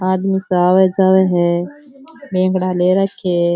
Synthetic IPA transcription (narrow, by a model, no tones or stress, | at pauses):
aːd̪misaːʋed͡ʒaːweɦɛ | bẽːŋɡɽaːleɾəkʰe